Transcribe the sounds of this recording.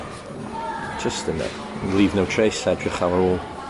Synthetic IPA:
d͡ʒ̥ʌstɪnɪ̰ | lˠiːvnowtʰɹ̥ejsɛdɹɪχawəɹɔːlˠ

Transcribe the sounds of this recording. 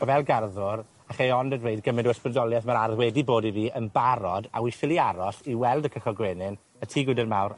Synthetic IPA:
ɔvɛlˠɡarðʊɾ | aχejɔndədwejd̚ɡəmɪndəwəspɪdɔlˠjaθmaɾarðwɛdiboːdiviːʔənbaɾɔda̰wifɪlˠiaɾɔɬiwɛlˠdəkʰəχɔɡwɛnɪn | ətʰiːɡwɪdərmawr

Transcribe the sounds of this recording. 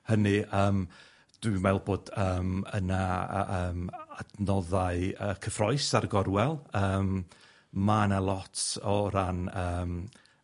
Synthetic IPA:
hənɨʔəːm | d̥wimɛlˠboːd̥əːmə̰na̰əːmadnɔðaɨəkʰəfrɔɨsarɡɔɾwɛlˠəːm | manalˠɔtʰɔɾanəːm

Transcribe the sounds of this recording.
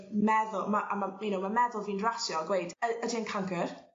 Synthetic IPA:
mɛðʊlˠmaʔa̰mamiːnumamɛðʊlˠviːnrasjɔɡwejdəədiənkʰaŋɡər

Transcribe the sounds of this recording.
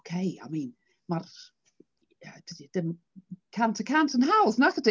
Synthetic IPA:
kʰeɪa̰ɪmĩːn | mar | əd̥ɪdidɪm | kʰãntʰəkʰãntʰə̃nɦawznaθəd̥e

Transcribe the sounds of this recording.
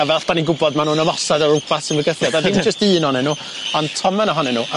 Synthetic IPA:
avɛlˠɬb̥aniɡʊbɔdmanuːnəmɔsadɔɾʊbʰasɪnvəɡəθjadadind͡ʒəstiːnɔnɛnuː | ɔntʰɔmɛnɔɦɔnɛnuːʔa

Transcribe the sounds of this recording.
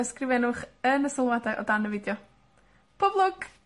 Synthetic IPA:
skrɪvɛnʊχənəsɪlˠwadajʔɔ̰danəvɪdjɔ | pʰɔblˠɔɡ̥

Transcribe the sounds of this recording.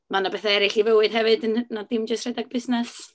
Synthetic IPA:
manabɛθaɛɾɪɬivəwɨd̥ɦɛvɨdnadɪmd͡ʒəstr̥ɛdaɡ̚bɪsnɛs

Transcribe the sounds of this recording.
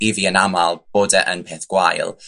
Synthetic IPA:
iviənamalˠb̥oːdəʔənpʰeːθɡ̥wajlˠ

